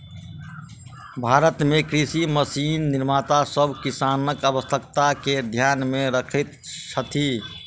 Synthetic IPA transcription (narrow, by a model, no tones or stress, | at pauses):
bʱaɾət̪mekɾisiməsinːiɾmat̪asəbʱkisanəkəbəst̪ʰəkt̪aked̪ʱjanmeɾəkʰɛt̪t͡ʃʰət̪ʰi